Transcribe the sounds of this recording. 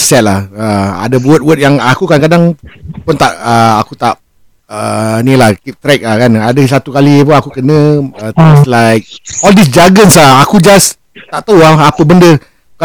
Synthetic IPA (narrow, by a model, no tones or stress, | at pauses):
sɛt̪̚lahəa̰dəbuət̪̚wət̪̚jaŋakukankadaŋpʊnt̪aʔəa̰kut̪aʔ | ənilahkip̚t̪ɾɛk̚lakanadəs̬at̪ukalipunakukənə̃ət̪ɛslajk̚ɔldis̬d͡ʒaɡənslaakud͡ʒas | t̪aʔt̪awahapəbəndə | ka